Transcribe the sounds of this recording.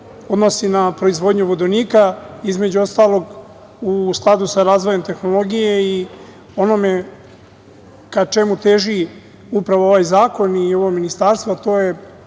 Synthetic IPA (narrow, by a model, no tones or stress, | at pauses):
o̞d̪no̞sinapɾo̞izʋo̞d̪ɲuʋod̪oniːkaizme̞d͡ʑuo̞st̪aːlˠo̞ɡ | usklˠad̪usaɾaːzʋoje̞mt̪e̞xno̞lˠo̞ɡijei | o̞no̞me̞ | kat͡ʃe̞mut̪e̞ʒi | upɾaʋooʋaːjzaːko̞nio̞ʋoɡminist̪aːɾst̪vat̪o̞ːje